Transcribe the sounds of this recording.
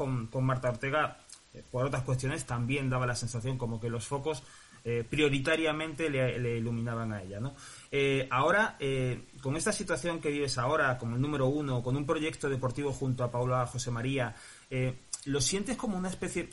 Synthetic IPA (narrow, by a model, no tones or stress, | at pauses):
oŋko̞ŋmaɾt̪ao̞ɾt̪e̞ɣ̞apo̞ɾo̞t̪ɾaskwe̞st̪jo̞ne̞st̪ambje̞nd̪aβalase̞nsaθjo̞ŋko̞mo̞ke̞lo̞sfo̞ko̞s | epɾjo̞ɾit̪aɾjamẽ̞nt̪e̞lele̞ilumĩnaβ̞aŋae̞ʎano̞ | eao̞ɾaeko̞ŋe̞st̪asit̪waθjo̞ŋke̞βiβe̞sao̞ɾako̞ŋoelnũme̞ɾo̞uno̞ko̞nũmpɾo̞ʝe̞k̚t̪oð̞e̞po̞ɾt̪iβo̞xunt̪oapawlaxose̞maɾia | elo̞sje̞nt̪e̞sko̞mounaespe̞θje